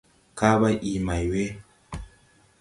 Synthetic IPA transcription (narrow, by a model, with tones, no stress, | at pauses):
ka˦βa˦ʔi˨ma˨jwe˦